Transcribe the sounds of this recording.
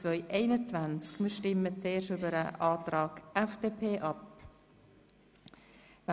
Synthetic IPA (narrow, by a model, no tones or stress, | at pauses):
t͡svœʏʔɛɪnət͡svant͡skmɪːʃtɪmət͡seːrʃybəɾəʔɑːtraːkɛfd̥eːpʰeːʔɑp̚ | va